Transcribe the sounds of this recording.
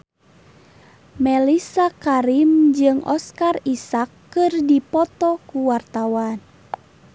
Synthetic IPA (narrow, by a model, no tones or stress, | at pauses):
mɛlisakaɾimd͡ʒɨŋɔ̰skarisakːɨrdipɔt̪ɔkuwart̪awan